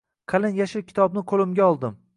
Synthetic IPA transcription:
qʰɑlɪnjaʃɪɾkʲʰɪ̥t̪ʰɒbnɪqʰolɪmɡʲaɒlˠd̪ɪm

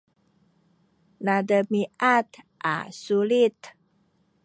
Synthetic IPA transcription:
nadəmiʔat̪ | ʔa̰sulit̪

